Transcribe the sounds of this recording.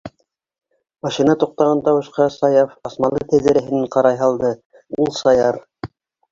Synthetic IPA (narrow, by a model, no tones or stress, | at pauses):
mɑʃinɑt̪uq̚t̪ɑʁɑnt̪ɑwɤ̆ʃqɑsɑjɑfɑsmɑlˠɤt̪æ̆ðɘ̆ɾæɦɘ̆næɴqɑɾɑjɦɑlˠd̪ɤ | ulˠsɑjɑɾ